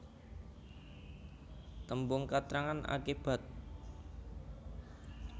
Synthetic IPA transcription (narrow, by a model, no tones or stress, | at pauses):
t̪əmbʊŋkat̪ɾaŋana̰kib̥a̤t̪̚